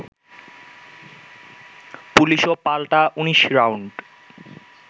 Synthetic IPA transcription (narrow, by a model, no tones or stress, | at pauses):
puliʃopalʈaʔuniʃɾawɳɖ